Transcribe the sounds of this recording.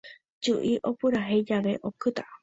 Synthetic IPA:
d͡ʒuʔiʔopuɾaɦed͡ʒaʋe̞ʔokɨt̪a

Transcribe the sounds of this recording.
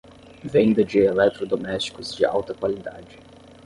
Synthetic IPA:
vẽj̃d̪ɐd͡ʒielɛt̪ɾod̪omɛst͡ʃi̥kʊzd͡ʒɪa̰wt̪ɐkwalid̪a̰d͡ʒɪ

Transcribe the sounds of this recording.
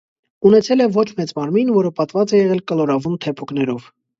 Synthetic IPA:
unɛt͡sʰɛlɛvɔt͡ʃʰmɛt͡smɑɾminvɔɾəpɑt̪vɑt͡sɛjɛʁɛlkəlɔɾɑvunt̪ʰɛpʰuknɛɾɔv̥

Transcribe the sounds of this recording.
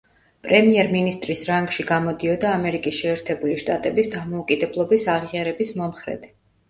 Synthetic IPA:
pʼɾɛmiɛɾminist̪ʼɾisɾaŋɡʃiɡamɔd̪iɔd̪aːmɛɾikʼisʃɛːɾt̪ʰɛbuliʃt̪ʼat̪ʼɛbisd̪amɔukʼid̪ɛblˠɔbisaʁiaɾɛbismɔmχɾɛ̰d̪̥

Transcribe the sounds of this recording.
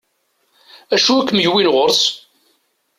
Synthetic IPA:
æʃuækːmjwinʁoɾs

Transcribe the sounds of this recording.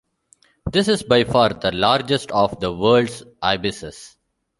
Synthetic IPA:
d̪ɪsɪzbaɪfaːɾd̪əlaːɾd͡ʒesʈɔːʋd̪əʋəːlɖsʔaɪbɪsɪ̰s

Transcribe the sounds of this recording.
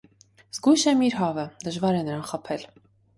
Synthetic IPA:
z̥ɡujʃɛmiɾɦɑvəd̪əʒvɑɾɛnəɾɑnχəpʰɛl

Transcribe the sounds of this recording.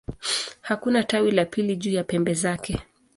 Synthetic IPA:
hakunatawilapiliʄuːjapɛmbɛzakɛ

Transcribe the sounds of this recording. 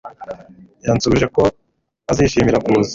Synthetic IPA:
jaːnt͡suβiʒeko̞ | aziːʃiːmiɾakuzi̥

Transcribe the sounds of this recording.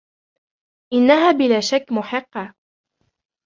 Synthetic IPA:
ʔɪnːaɦaːbɪlaːʃakːmʊħɪqːɑ

